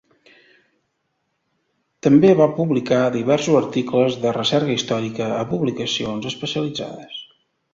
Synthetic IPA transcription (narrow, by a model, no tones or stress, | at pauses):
t̪əmbeβapuβlikaðiβɛɾsuzəɾt̪ikləzðərəsɛɾɣəist̪ɔɾikəəpuβlikəsionzəspəsiəlid͡za̰ðəs